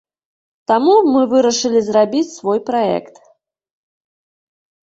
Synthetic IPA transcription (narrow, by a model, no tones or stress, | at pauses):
t̪amumɨvɨɾɐʂɨlʲizrabʲit͡sʲsvɔjpɾaɛ̰kt̪